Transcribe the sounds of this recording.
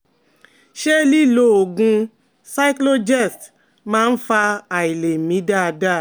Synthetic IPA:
ʃe˦li˦˨lo˦o˨ɡũ˧ | sa˦i˦klo˦d͡ʒɛ˦˨st | mãː˦˧n̩˦fa˧a˨i˨le˨mĩ˨˦da˦˨˧da˦˨

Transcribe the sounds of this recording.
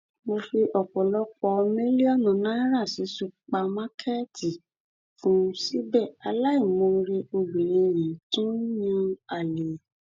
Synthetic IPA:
mo˧fi˧ʔɔ˨k͡pɔ˨lɔ˦k͡pɔ˧me˦li˦ɔ˦˨nɔ̃˨nã˦ɾa˦˨si˨˦su˦˧˨k͡pa˧mã˦kʰɛ˦tʰi˨ | fũ˨˦si˦bɛ˦˨a˧la˦i˦˨mo˧ɾe˧o˧lu˨lẽ˨˧jĩ˨˦tũ˦jã˧a˦˨le˨˦

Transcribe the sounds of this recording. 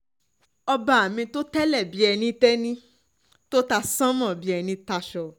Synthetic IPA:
ɔ˧ba˧˨a˨mĩ˧to˦tɛ˦lɛ˦˨bi˨˦ɛ˧nĩ˧tɛ˦nĩ˦ | to˦ta˦˧sã˦mɔ̃˦˨bi˨˦ɛ˧nĩ˧ta˧ʃɔ˨

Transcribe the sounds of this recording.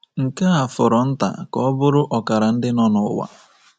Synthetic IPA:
ŋ̩˨ka˦a˨fʊ˨ɾɔ˨n̩˦ta̰˨kɔ˦bʊ˦ɾʊ˦ʔɔ˨ka˨ɾa˨n̩˦dɪ˦nɔ˦nʊ˨ʊ̰˦wa̰˨

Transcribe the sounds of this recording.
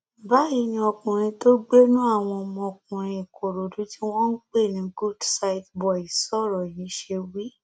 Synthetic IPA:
ba˨˦i˧nĩ˧ɔ˧kũ˨ɾ̃ĩ˧to˦ɡ͡be˦nũ˦a˦˨w̃ɔ̃˧mɔ̃˧ɔ˨kũ˨ɾ̃ĩ˧i˨ko˨ɾo˨dũ˨˦ti˦w̃ɔ̃˦n̩˦k͡pe˦˨nĩ˨˦ɡu˦dsa˧i˨tbɔ˨i˨sɔ˦˨ɾɔ˨ji˨˦ʃe˧wi˦

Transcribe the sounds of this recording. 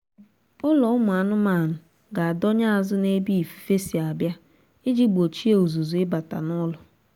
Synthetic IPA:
ʊ˦lɔ˨ʊ˦mʊ˨a˨nʊ˦ma˨nʊ˨ | ɡa˨a˨dɔ˦ɲa˦a˨zʊ˦ne˦bi˦i˨fi̥˨fe˦si˨a˨bja˦ | ɪ˦d͡ʒi˦ɡ͡bo˨t͡ʃi˦e˦o˨zu˨zu˨ɪ˦ba˨ta̰˨nɔ˦lʊ˨

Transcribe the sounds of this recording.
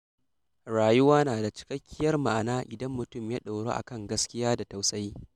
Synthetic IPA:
ɽaː˨jʊ˦waː˦naː˨da˨t͡ʃɪ̥˦kɐ˦kʲːɪ˦jɐ˦rma˨ʔa˨naː˦ʔɪ˨dɐ˦mːʊ˨tʊ˦˨mjaː˦ɗa˨wɽo̰˦ʔa̰˨kɐ˦˨ŋɡɐ˦skʲɪ˦jaː˦da˨ta˨wsɐ˦j

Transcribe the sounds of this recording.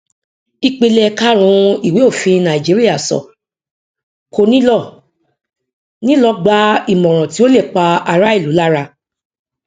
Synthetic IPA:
i˧k͡pe˧lɛ˧ka˦ɾ̃ũ˧i˨we˨˦o˦˨fĩ˧nã˨ĩ˨d͡ʒi˨˦ɾi˦a˦˨sɔ̰˨ | ko˧nĩ˦lɔ˦˨ | nĩ˦lɔ˦ɡ͡ba˦i˦˨mɔ̃˨ɾ̃ɔ̃˨ti˨˦o˦le˦˨k͡pa˧a˧ɾa˦i˦˨lu˨˦la˦ɾa˧

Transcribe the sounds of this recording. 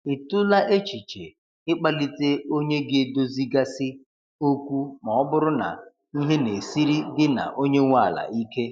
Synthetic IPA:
ɪ˨tʊ˦la˦ʔe˦t͡ʃi˨t͡ʃe˨ | ɪ˦k͡pa˦li˦te˦o˦ɲe˦ɡe˦˨do˦zi˦ɡa˦sɪ˦ | o˦kʷu˦mɔ˨ɔ˦bʊ˦ɾʊ˦na̰˨ | i˦ɦe˦ne˨si˦ɾi˦ɡɪ˦na̰˨ʔo˦ɲe˦ŋʷa˦˨la̰˨i˦ke˦

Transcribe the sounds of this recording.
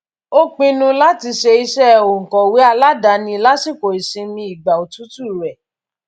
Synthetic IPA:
o˦k͡pĩ˧nũ˧la˦ti˧ʃe˧i˧ʃɛ˦˨o˨ŋ̩˨kɔ˨we˨˦a˧la˦da˨˦nĩ˧˦la˦si˦˨ko˨i˨sĩ˧mĩ˧i˨ɡ͡ba˨o˨tu˨˦tu˦i˨ɾɛ˨

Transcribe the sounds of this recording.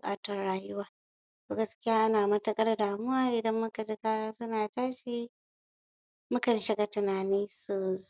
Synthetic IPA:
bʊ˨kʼaː˦tɐ˦rɽaː˦jʊ˦waː˨ | toː˨ɡɐ˦skʲɪ˦jaː˦ʔa˦naː˨mɐ˦tɐ˦kʼɐ˦rdaː˨mʊ˦waː˦ʔɪ˨dɐ˦mːʊ˦ka˨d͡ʒɪ˦kaː˦sʊ˦naː˨taː˦ʃi˦ | mʊ˦kɐ˨n˦˨ʃɪ˦ɡa˨tɪ˨naː˨niː˦su˨˦

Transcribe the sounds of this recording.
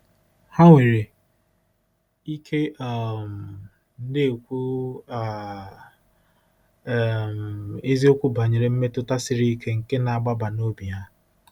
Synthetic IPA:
ha˦ŋʷe˨ɾe˨ | i˦kʰe˦a˨m̩˨ | n̩˦dɪ˦˨kʷu˦a˨ | m˨e˦zi˦o˦kʷu˦ba˨ɲe˨ɾe˨m̩˦me˦tʊ˦ta˦sɪ˨ɾi˦kʰe˦ŋ̩˨ke˦na˨a˨ɡ͡ba˦ba˨no˦bi˨ɦa˦

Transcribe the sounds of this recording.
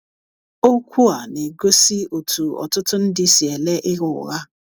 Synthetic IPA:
o˦kʷu˦a˨ne˨ɡo˦si˦o˨tu˨ɔ̰˨tʊ˦tʊ˦n̩˦dɪ˦si˨e˨le˦ʔɪ˦ɣʊ̰˨ɣa˦

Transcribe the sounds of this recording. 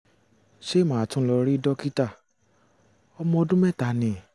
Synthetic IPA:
ʃe˦˨mãː˨tũ˦lɔ˧ɾi˦dɔ˦ki˦ta˦˨ | ɔ˧mɔ̃˧ɔ˧dũ˦mɛ˦˨ta˨nĩ˨

